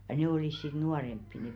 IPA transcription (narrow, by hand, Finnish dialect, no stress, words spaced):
jɑ neˑ oliˑs sit nuɑrempːi ne